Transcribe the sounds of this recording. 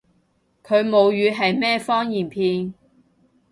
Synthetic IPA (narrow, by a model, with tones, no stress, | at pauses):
kʰɵ˨˧ɥmo˨˧wjyː˨˧ɦɐ˨jmɛː˥fɔː˥ŋjiː˨˩npʰiː˧n